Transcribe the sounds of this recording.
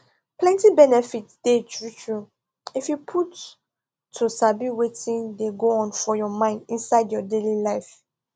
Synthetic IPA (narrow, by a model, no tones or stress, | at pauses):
plɛ̃ntibɛnɛfitd̥etʰɹut͡ʃɹu | ifjupʰutʰː | usabiwetĩndeɡoɔ̃nfɔjɔmãɪ̃ndĩnsaɪdjɔdelilaɪf